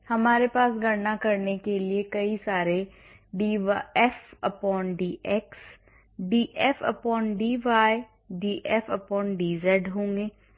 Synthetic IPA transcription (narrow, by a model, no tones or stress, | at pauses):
hɐmaːɾepaːsɡʱɐɾnakɐɾnekeliekɐisaːɾe | ɖiːʋaɛfɐpɔːnɖiːʔɛks | ɖiːʔɛfə̰pɔːnɖiːʋaːe | ɖiːʔɛfɐpɔːnɖiːzɛːɖɦõːŋɡeː